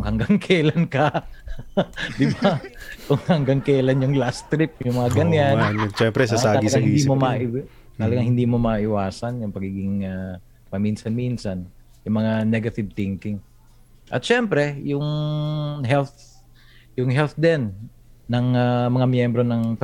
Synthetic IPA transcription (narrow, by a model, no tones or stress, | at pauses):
hɐŋɡaŋkʰɛlɐnkɐ | d̪ɪbakʊŋhɐŋɡaŋkɛlɐnjʊŋlast̪ɾɪp̚ʊŋmɐŋaɡɐnjannt͡ʃɛmpɾɛsasaːɐɡiɐɡaŋhɪnːd̪imomaʔɪ | t̪ɐlɐɡaŋhɪnd̪iːmomɐʔɪwaːsɐnjʊŋpɐɡiːɡɪŋa | pɐminsɐnminsɐn | jʊŋmɐŋanɛɡɐt̪ɪb̚t̪ɪŋkɪŋ | ʔɐ̰t̪ʃɛmpɾɛjʊŋ | ɦɛlt̪ | jʊŋɦɛlt̪d̪ɛnː | ɐŋamɐŋamjɛmbɾo̞nɐŋp